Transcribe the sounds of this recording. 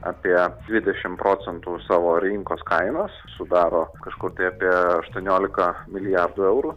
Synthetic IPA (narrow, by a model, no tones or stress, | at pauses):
ɑ̰ːpʲiɛd̪ʲʋʲɪd̪ʲɛʃʲɪmpɾoːt͡ssʲɛnt̪uːsɑːʋoːɾʲɪŋkoːskɐɪnoːssʊd̪ɑːɾoːkɐʃkʊrt̪ɐɪapʲiɛɐʃt̪uɔnʲoːlʲɪkɐmʲɪlʲɪjɑrd̪uːɛʊɾuː